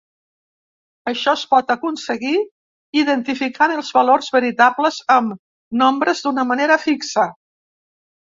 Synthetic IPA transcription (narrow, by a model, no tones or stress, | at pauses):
əʃɔspɔt̪əkunsəɣi | iðənt̪ifikanəlˠzβəlorzβəɾit̪abləzəm | nombɾəzd̪unəməneɾəfiksə